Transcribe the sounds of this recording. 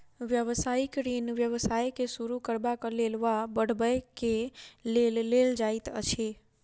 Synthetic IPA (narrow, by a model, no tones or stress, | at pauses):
ʋjəʋsaikɾinʋjəʋsajkesuɾukəɾbakəlelʋabəɽ̤bəjkelelːeld͡ʒajt̪ə̰t͡ʃʰe